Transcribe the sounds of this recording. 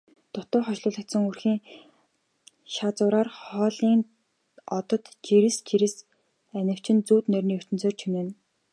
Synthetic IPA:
t̪ʊt̪ʊːχɔʃɮʊːɮə̆k̚t̪sə̆ŋurxiːŋ | ʃat͡sʊːɾaːrχɔːɮiːn | ɔt̪ɞ̆t̪t͡ɕiɾɘ̆st͡ɕiɾɘ̆s | ænʲɪ̆w̥t͡ɕɪ̆nt͡suːt̪nœrʲniːɵr̥t̪ɵ̆nt͡soːrt͡ɕʰunĕːn

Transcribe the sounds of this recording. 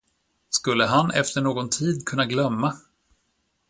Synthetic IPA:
skɵlːəɦanɛ̰ft̪əɳoːɡɔnt̪ʰiːd̪kʰɵnːaɡlœmːa

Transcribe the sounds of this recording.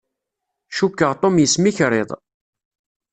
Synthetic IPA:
ʃukːəʁt̪ˤomjəsmiçɾˤḛðˤ

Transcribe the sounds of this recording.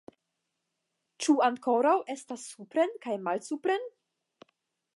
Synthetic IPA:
t͡ʃuaŋko̞ɾawʔestasːupɾenkajmalsupɾen

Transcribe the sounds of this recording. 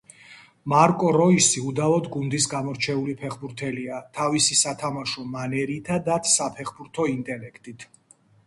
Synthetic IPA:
maɾkʼɔɾɔisiud̪avɔd̪ɡund̪isɡamɔɾt͡ʃʰɛulipʰɛχbuɾt̪ʰɛliat̪ʰavisisat̪ʰamaʃɔmanɛɾit̪ʰad̪at̪ʰsapʰɛχbuɾt̪ʰɔint̪ʼɛlɛkʰt̪ʼit̪ʰ

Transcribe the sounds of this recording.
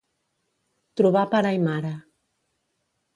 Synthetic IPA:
t̪ɾuβapaɾajmaɾa

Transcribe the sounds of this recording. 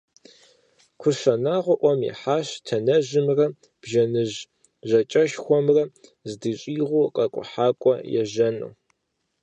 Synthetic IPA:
kʷʰʊʃɐnaːʁʷʊʔʷɔmḭħaːɕtʰɐnɐʑɪmrɐ | b̥ʒɐnɨʑ | ʒɐt͡ʃʼɐʃxʷɔmrɐzdɨɕʼiːʁʷʊqʼɐkʷʼʊ̰ħaːkʷʼɔjɛ̰ʒɐnṵː

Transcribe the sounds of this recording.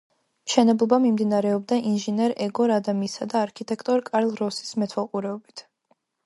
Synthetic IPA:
mʃɛnɛblˠɔbamimd̪inaɾɛɔbd̪aʔinʒinɛɾɛɡɔɾad̪amisad̪aːɾkʰit̪ʼɛkʰt̪ʼɔɾkʼaɾlˠɾɔsi̥smɛt̪ʰwɛlˠqʼuɾɛɔbit̪ʰ

